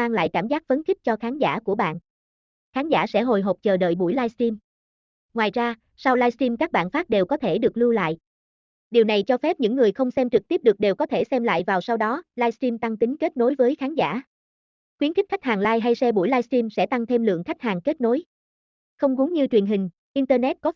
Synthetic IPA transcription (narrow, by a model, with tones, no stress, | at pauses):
aː˧ŋla̰ː˧˨jkaː˧˩mzaː˦˥k̚fə˨˦nxi˦˥k̚t͡ɕɔ˧xaː˨˦nza̰ː˧˩ku˧˩əɓa̰ː˧˨n | xaː˨˦nzaː˧˩sɛ̰˧˥ɦo˨˩jɦo˨˩p̚t͡ɕəː˨˩ɗə̰˧˨jɓu˧˩jlaː˧jst̪i˧m | ŋwaː˨˩jzaː˧ | sa˧wlaː˧jsti˧mkaː˦˥k̚ɓa̰ː˧˨nfaː˦˥p̚ɗe˨˩wkɔ˨˦t̪ʰe˧˩ɗɨ˨˩ək̚lu˧la̰ː˧˨j | ɗi˨˩wna˨˩jt͡ɕɔ˧fɛ˦˥p̚ɲɨ̰˧˥ŋːɨ˨˩əjxə˧wŋ͡msɛ˧mt͡ɕɨ˨˩k̚t̪i˦˥p̚ɗɨ˨˩ək̚ɗe˨˩wkɔ˨˦t̪ʰe˧˩sɛ˧mla̰ː˧˨jvaː˨˩wsa˧wɗɔ˨˦laː˧jst̪i˧mt̪a˧ŋt̪ï˨˦ŋ̟ke˦˥t̚no˨˦jvəː˨˦jxaː˨˦nza̰ː˧˩ | xwi˨˦ənxi˦˥k̚xa˦˥jk̟̚haː˨˩ŋlaː˧jɦa˧jsɛ˧ɓu˧˩jlaː˧jsti˧msɛ̰˧˥t̪a˧ŋt̪ʰe˧mlɨ̰˧˨əŋxa˦˥k̚haː˨˩ŋke˦˥t̚no˨˦j | xə˧wŋ͡mɣu˨˦ŋɲɨ˧t͡ɕwi˨˩ənɦï˨˩ŋ̟ | ʔi˧nt̪əː˧nɛ˦˥t̚kɔ˨˦˥